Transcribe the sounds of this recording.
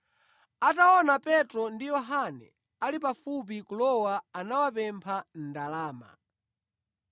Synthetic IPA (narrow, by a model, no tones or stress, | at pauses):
ataɔnapɛtɾɔndijɔɦanɛ̰ | alipafup̬ikulɔwaanawapɛmpʰan̩dalaːma̰